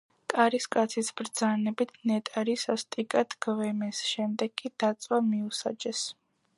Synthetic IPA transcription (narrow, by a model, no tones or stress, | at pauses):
kʼaɾiskʼat̪sʰisbɾd̪zanɛbit̪ʰnɛt̪ʼaɾisast̪ʼikʼat̪ʰɡ̥vɛmɛsʃɛmd̪ɛɡkʼːid̪̥at̪sʼwamiusa̰d͡ʒɛs